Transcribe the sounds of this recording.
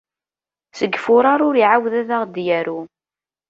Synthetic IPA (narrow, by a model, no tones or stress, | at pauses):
səɡːfʊɾˤɑɾˤʊɾiʕawðæðaʁd̪jæɾu